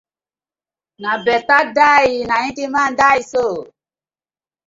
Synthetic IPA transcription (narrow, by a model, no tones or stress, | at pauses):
nabɛtadainaĩtimandaiso